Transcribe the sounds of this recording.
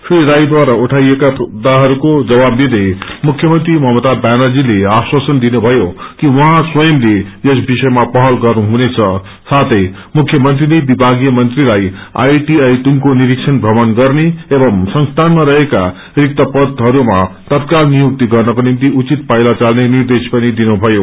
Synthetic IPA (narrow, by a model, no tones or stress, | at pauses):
friɾajd̪waɾauʈʰaijekapʌd̪aɦʌɾukod͡zʌbabnid̪emukʰjʌmʌnt̪rimʌɦmʌt̪abanʌrd͡zileaswasʌnd̪inubʱʌjokiwʌɦãswʌjʌmleesbisʌjmapʌɦʌlɡʌrnuɦunet͡sʰʌ | sat̪ʰʌj | mukʰːjʌmʌnt̪̬rilebibʱaɡijʌmʌnt̪rilaja̰jʈiajʈumkoniɾiksʰʌnbʱʌmʌnɡʌrneebʌmsʌŋst̪ʰanmaɾʌɦeka̰ | rik̚t̪ʌpʌd̪ʱɦʌɾumat̪ʌt̪̚kalnijuk̚t̪iɡʌrnʌkonimt̪iut͡sit̪̚pajlat͡salnenird̪espʌnid̪inubʱʌjo